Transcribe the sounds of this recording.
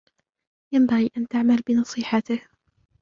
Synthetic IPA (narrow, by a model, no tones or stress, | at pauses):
jambaɣiːʔant̪aʕmalbɪnɑsˤiːħat̪ɪh